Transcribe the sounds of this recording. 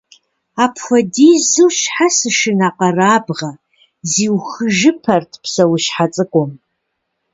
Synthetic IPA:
apʰxʷadizɨwʃħasɨʂɨnaqʼaraːbʁa | ziwχəʒɨpʰartʰpʰsawʃħat͡sʼɨkʷʼom

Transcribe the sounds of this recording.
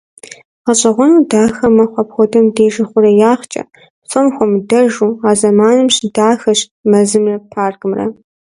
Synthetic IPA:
qəɕʼɐʁʷɔnuːdaːxɐmɐχʷɐpxʷɔdɐmdeːʒɐχʷʊrɐjaːχt͡ʃʼɐ̰ | fɐmxʷɔmdɐʒuːaːzɐmaːnɨmɕdaːxɐɕ | mɐzɨmrɐpʰaːrkʼɨmrɐ̰

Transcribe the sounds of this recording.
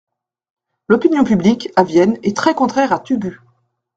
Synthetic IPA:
lɔpinjɔ̃pyblikavjɛnɛt̪χɛkɔ̃t̪χɛʁat̪yɡʲy

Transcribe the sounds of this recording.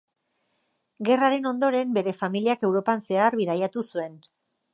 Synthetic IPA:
ɡe̞raɾe̞no̞nd̪o̞ɾe̞mbe̞ɾe̞familiake̞wɾo̞panse̞aɾβið̞ajat̪usue̞n

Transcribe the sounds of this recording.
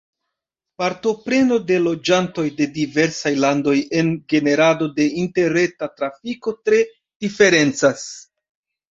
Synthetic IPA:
paɾto̞pɾe̞no̞de̞lo̞d͡ʒanto̞jde̞dive̞ɾsajlando̞je̞nɡe̞ne̞ɾado̞de̞inte̞ɾe̞tatɾafiko̞tɾe̞ | d̥ife̞ɾe̞nt͡sas

